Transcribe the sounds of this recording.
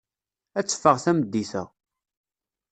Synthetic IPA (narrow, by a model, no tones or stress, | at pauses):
æt͡sːə̥fːəʁθæməd̪ːiθə̰